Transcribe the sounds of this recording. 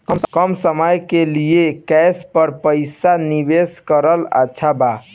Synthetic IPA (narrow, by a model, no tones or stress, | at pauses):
kəmkəmsəməjkelijekɛspəɾpəjsanibeskəɾəla̰ːʃʰaba